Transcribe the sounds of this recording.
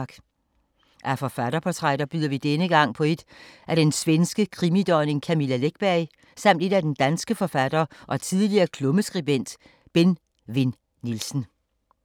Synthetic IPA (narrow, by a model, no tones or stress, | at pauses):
ɡ̥ | ʔæfɒ̽fæɾɐpʰɒt͡sʰʁɑɾ̥ɐb̥yðˠɐʋid̥enəɡ̥ɑ̈ŋ̰pʰɒ̽e̝d̥ʔæd̥ensʋensɡ̥əkʰʁimid̥ɒɪne̝ŋkʰæmilæleɡ̥̚b̥æɐɪ | sɑ̈m̰d̥e̝d̥æd̥end̥ænsɡ̥əfɒ̽fæd̥ɐːʔɒ̽t͡sʰið̞ˠliɐːkʰlɔ̽məsɡ̥ʁib̥en̰d̥ | b̥en | ʋe̝n | nilsn̩